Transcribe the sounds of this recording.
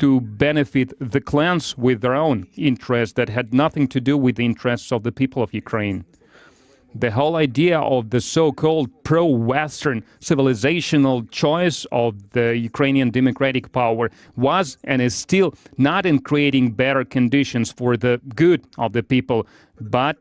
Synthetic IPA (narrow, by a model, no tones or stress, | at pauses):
tɨbɛnɨfɪt̪̚ðɨkʰl̥æ̃nswɪðə˞õʊ̃nɪ̃ntɹɛstðɨt̚ɦɨdⁿnʌθɪ̃ŋtʰɨdɨwɨðiɪ̃ntɹ̥ɛstsʌvðɨpipl̩ˠʌvjʉkʰɹ̥ẽɪ̃n | ðɨɦoʊlˠaɪdiɨʔʌvðɨsoʊkʰɔlˠd̚pʰɹ̥oʊwɛstə̃˞n | sɪvəlˠɨzeɪʃɨnl̩ˠt͡ʃʰɔɪsʌvðɨjʉkʰɹ̥ẽɪ̃niɨ̃ndɛmɨkʰɹ̥æɾɨk̚pʰaʊə˞ | wʌzʔɨ̃ñɨz̥stɪlˠnəɾɨ̃nkʰɹ̥ieɪɾɪ̃ŋbɛɾə˞kʰɨ̃ndɪʃɨ̃nsfə˞ðɨɡʊɾʔʌvðɨpipl̩ˠ | bʌt̚